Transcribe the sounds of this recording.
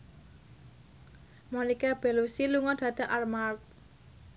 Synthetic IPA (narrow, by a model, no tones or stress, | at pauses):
monikab̥e̤lusiluŋɔd̪̥ä̤d̪̥a̤ʔarmart̪̚